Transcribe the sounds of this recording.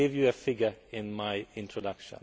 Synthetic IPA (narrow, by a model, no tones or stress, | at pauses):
ɪvjɨəfɪɡə˞ɪ̃nmaɪɪ̃ntʰɹɔdʌkʃə̰̃n